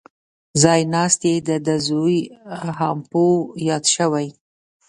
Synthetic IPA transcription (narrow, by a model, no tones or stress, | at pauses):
zɑjnɑst̪ed̪əd̪azujhɑmpojɑd̪ʃəwaj